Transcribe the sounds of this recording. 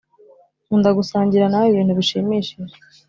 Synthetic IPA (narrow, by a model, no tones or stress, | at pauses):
undaɡusaːɲɟiɾanaajiβiːn̥huβiʃimiʃiʒe